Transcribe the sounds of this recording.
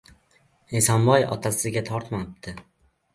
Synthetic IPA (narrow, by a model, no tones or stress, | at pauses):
esɒmbɒjɒ̰t̪ʰasɪɡʲat̪ʰɒɾt̪mapt̪ʰɪ